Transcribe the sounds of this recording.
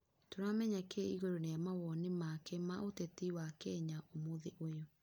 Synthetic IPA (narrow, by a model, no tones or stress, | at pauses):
toɾamɛɲakeiɣoɾoneamawɔnemakemaʔotetiwakɛɲaʔomoðeʔojɔ